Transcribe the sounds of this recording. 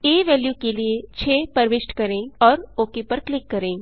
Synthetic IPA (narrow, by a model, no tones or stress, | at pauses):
eːʋɛːljukeliet͡ʃʰeːpɐɾʋɪsʈkɐɾẽːɔːɾoːkepɐɾklɪkːɐɾẽː